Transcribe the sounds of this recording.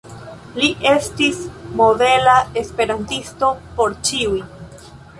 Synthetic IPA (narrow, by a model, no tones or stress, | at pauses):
liʔe̞stismo̞de̞lae̞spe̞ɾantisto̞po̞ɾt͡ʃiuj